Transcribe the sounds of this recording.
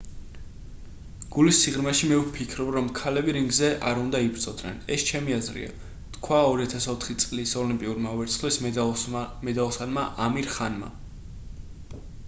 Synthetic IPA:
ɡ̥ulisiʁɾmɛʃimɛvpʰikʰɾɔbɾɔmkʰalɛbiɾiŋɡzɛʔa̰ɾund̪aibɾt̪ʼɔd̪nɛ̰nɛst͡ʃʰɛmiazɾḭa̰ | t̪kʰwaɔɾiat̪ʰasɔt̪ʰχit̪sʼlisɔlimpʼiuɾmavɛɾtsʰχlis | mɛd̪alˠsanmaʔamiɾχanma̰

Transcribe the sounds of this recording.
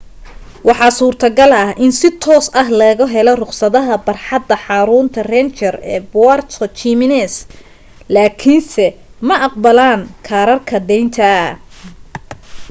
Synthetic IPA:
wɑħɑːsuːrt̪ʰɐɡɐlɐhʔɪnsɪt̪ʰɔːsɐɦlɐɣɐɦɛlɔrʊqsɐðɐɦɐbɐrħɑd̪ːɐħɑːɾʊːnt̪ʰɐrɛnt͡ʃɐrɛːbʊwart̪ʰɔt͡ʃimɪnɛs | laːkʰinsɛmɐʔɑq̚bɐlaːnkʰaːɾɐrkʰɐd̪ɛjnt̪ʰɐ

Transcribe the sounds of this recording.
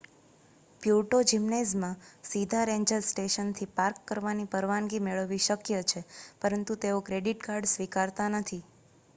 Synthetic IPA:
pjuʈod͡ʒimned͡ʒmãsid̪ʱaɾeɲd͡ʒəlsʈeʃənt̪ʰipaɾkːəɾʋanipəɾʋaŋɡimeɭəʋiʃəkjət͡ʃʰepəɾənt̪ut̪eokɾeɖiʈkaɾɖsʋikaɾt̪anət̪ʰi

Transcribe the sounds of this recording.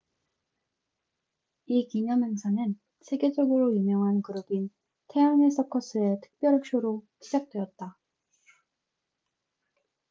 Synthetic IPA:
ikiɲʌmʌnsʰanɯn | sʰe̞ɡe̞d͡ʑʌɡɯɾojumjʌŋɦankɯɾobin | tʰe̞anesʰʌkʰʌs͈ʰɯe̞tʰɯ̥k̚p͈jʌɾɦɯk̚ɕ͈oɾoɕʰid͡ʑak̚t͈we̞ʌt̚t͈a

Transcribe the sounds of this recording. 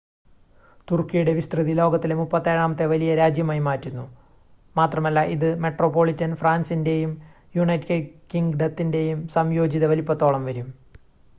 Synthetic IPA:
t̪urkːijɐjuɽe̞ʋist̪rɨðilo̞ːɡɐt̪ːilemupːɐt̪ːeːɻaːmɐt̪ːeʋɐlijɐɾaːd͡ʑjɐmajmaːtːunːu | maːt̪rɐmɐlːɐʔiðɨme̞ʈro̞ːpːo̞ːɭitːɐnfraːnsinde̞jum | juɳɐjtkekiŋɡɖɐt̪ːinde̞jumsɐmjo̞ːd͡ʑiðɐʋɐlipːɐt̪ːo̞ːɭɐmʋɐɾum

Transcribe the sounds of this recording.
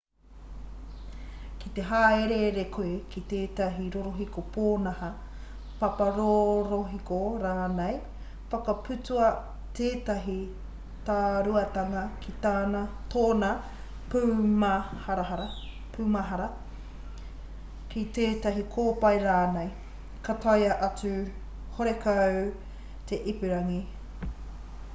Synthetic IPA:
kit̪e̞ɦaːeɾeɾekʰoekit̪eːt̪ɐɦiɾoɾoɦikopʰoːnɐhɐ | pɐpɐɾoɾoɦikoɾaːnej | fɐkɐpʉtuɐ | t̪eːt̪ɐɦi | t̪aːɾuɐt̪ɐŋɐkʰit̪aːnɐtoːnɐ | pumahɾaaɾ | pʰuːmaɦɐɾɐ | kit̪eːtɐɦikʰoːpɐjɾaːnej | kɐtʰajɐʔɐt͡sʉ | hoɾekʰa | t̪ʰe̞ʔipeɾɐŋi

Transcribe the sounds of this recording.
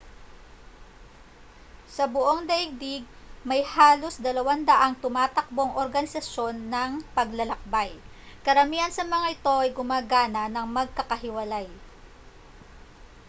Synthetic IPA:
sɐbʊʔo̞ŋd̪ɐʔɪŋ̚d̪iɡ̚ | mɐjhaːlo̞sd̪ɐlɐwand̪ɐʔaŋt̪ʊmaːt̪ɐk̚bo̞ŋʔoɾɡɐnɪsɐʃo̞nːɐŋpɐɡ̚lɐlɐk̚baj | kɐɾɐmiːhɐnsɐmɐŋaɪt̪o̞ʔɐjɡʊmaːɡaːnɐnɐŋmɐɡ̚kɐkɐɦɪwɐlaj

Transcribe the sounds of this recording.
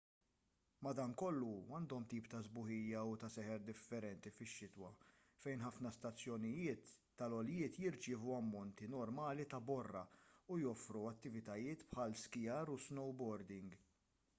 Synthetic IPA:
mɐd̪ɐŋkɔlːuɐːnd̪ɔmt̪iːpt̪ɐzbʊħɪjːɐut̪ɐsɛħɛɾd̪ɪfːɛɾɛnt̪ifɪʃːɪt̪wɐ | fɛjnħɐfnɐst̪ɐt͡sːjɔnɪjɪːt̪ː | ɐlɔljɪːt̪jɪɾt͡ʃɪːvuɐmːɔnt̪inɔɾmɐːlit̪ɐbɔrːɐ̰ujɔfɾuɐt̪ːɪvɪt̪ɐjɪːt̪pħɐlskɪjɐːɾusnɔwbɔɾd̪ɪŋɡ

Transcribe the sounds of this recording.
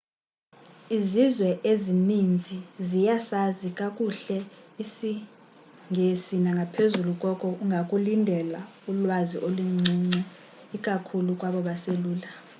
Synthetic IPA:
izizwɛʔezinind͡zʱizijasazikʼakʼuɬɛisi | ŋʱesinaŋɡʱapʰezulukʼɔkʼɔuŋʱakʼulindʱɛla | ulwaziʔoluŋ͡ǀiŋ͡ǀɛ | ikʼakʰulukʼwaɓɔɓaseluːla

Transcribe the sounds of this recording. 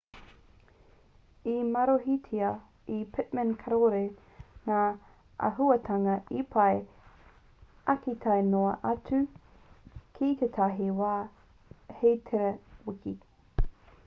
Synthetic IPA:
imɐɾoɦitʰiɐ | ipʰɪtmənkʰɐɾoɾe | naː | ʔɐ̰ɦuɐtʰɐŋɐipʰɐj | ɐkit̪ʰɐjnoɐʔɐt͡sʉ | kʰit̪et̪ʰaɦiwaː | hejtʰeɾɐwɪki

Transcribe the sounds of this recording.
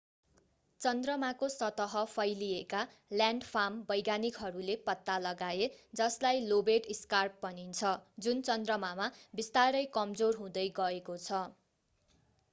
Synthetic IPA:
t͡sʌnd̪rʌmakosʌt̪ʌɦʌpʰʌjlieka | ljaɳɖpʰambʌjɡanikɦʌɾulepʌt̪ːalʌɡaed͡zʌslajlobeʈiskarpːʌnint͡sʰʌd͡zunt͡sʌnd̪rʌmamabist̪aɾʌjkʌmd͡zorɦũd̪ʌjɡʌekot͡sʰʌ

